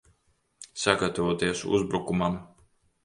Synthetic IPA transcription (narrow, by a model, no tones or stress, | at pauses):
saɡat̪avoɔt̪iɛsṵzbɾukumam